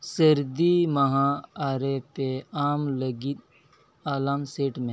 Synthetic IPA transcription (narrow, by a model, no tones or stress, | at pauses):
səɾd̪imɐɦãaːɾepeaːmləɡit̪̚ | aːlaːmseːʈmẽ